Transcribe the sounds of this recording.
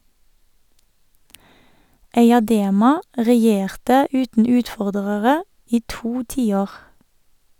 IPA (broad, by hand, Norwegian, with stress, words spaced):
eɪɑˈdeːmɑ ʁɛˈjeːʁtə ˈʉːtn̩ ˈʉːtˌfɔʁdəʁəʁə ˈiː ˈtuː ˈtiːˌoːʁ